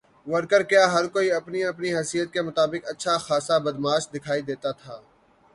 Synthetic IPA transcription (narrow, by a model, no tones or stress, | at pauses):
ʋəɾkəɾkjaːɦɐɾkoːiɐpniɐpniɦɐsijət̪̚kemʊt̪aːbɪkɐtːʃʰaxaːsabɐd̪maːʃd̪ɪkʰaːid̪eːt̪at̪ʰaː